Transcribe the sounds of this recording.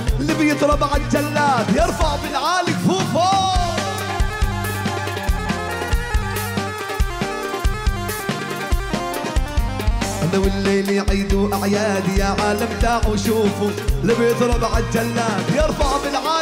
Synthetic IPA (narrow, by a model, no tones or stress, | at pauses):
lɪbɪjɪt̪ɾˤɑbaʕad͡ʒalːaːt̪jɑɾˤfaʕbɪlʕaːlɪkfuːfa | ʔanawɪlːejljʕiːd̪uʔaʕjaːd̪ijaːʕaːlamt̪aːʕuʃuːfulɪbɪjɪt̪ɾˤɑbaʕad͡ʒalːaːt̪jɪɾˤfaʕbɪlʕaː